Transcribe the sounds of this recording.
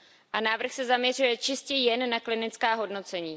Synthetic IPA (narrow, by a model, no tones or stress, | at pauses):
ʔanaːvr̩xsɛzamɲɛr̝ujɛt͡ʃɪscɛjɛnːaklɪnɪt͡skaːɦo̞dno̞t͡sɛɲiː